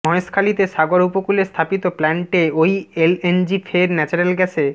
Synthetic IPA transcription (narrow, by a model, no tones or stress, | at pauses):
mɔeskʰalit̪eʃaɡoɾupokulest̪ʰapit̪oplɛɳʈeojelend͡ʑifʰeɾnɛt͡ɕoɾelɡɛt͡ɕʰe